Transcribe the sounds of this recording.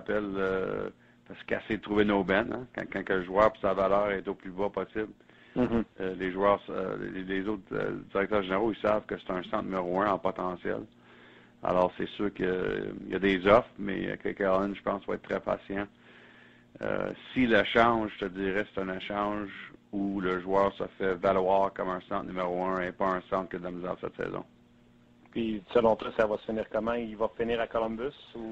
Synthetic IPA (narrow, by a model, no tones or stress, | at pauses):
pɛlø̰ | paʁskɛ̰sɛjd̪ət̪ʁuvenobɛnɛ̰̃kã̰kɑ̃kə̃ʒwœːʁpi̥savalœːʁɛt̪oplybɔpɔsɪbl | leʒwœːʁslezot̪dd͡ziʁɛk̚t̪œːʁʒeneʁoisav̥kəse̥t̪ɛ̃sɑ̃t̪nəmeʁoɜ̃ɑ̃pɔt̪ɑ̃sjɛ̰l | a̰lɔːʁsɛsyːʁkəja̰d̪ezɔfmɛ̰kə̰kaʁlɪnʒəpɑ̃svaɛ̰t̪ːχʁɛpa̰sjã | ə̰silaʃɑ̃ːʒt̪əd͡ziːʁɛse̥t̪ɛ̃naʃɑ̃ːʒuləʒwœːʁsə̰fɛvalwɑːʁkɔmɛ̃sɑ̃t̪nymeʁoɜ̃epɔɛ̃sɑ̃ːt̪̚kjəd̪lamizɛːd̪sɛ̰t̪sɛ̰ːzɔ̰̃ | pisəlɔ̃t̪wasavasəfəniːʁkɔmãivɔfiniːʁakɔlɔ̃mbʏsu